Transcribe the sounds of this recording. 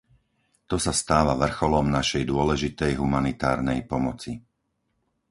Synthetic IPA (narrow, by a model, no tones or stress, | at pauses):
t̪ɔsast̪aːʋaʋr̩xɔlɔmnaʃɛjd̪ʊɔlɛʒit̪ɛjɦumanit̪a̰ːɾnɛjpɔmɔt͡si